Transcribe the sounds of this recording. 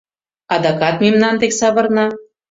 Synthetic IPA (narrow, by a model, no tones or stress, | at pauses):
ɑd̪ɑkɑt̪memnɑnt̪eksɑβɤ̆rnɑ